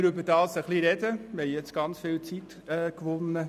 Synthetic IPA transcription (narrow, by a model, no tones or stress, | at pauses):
ɾʏbədɑːsəχliɾɛd̥əmɪhɛjjɛt͡sɡ̥ɑnt͡sfɪːlt͡sit | ɛkʋʊnːə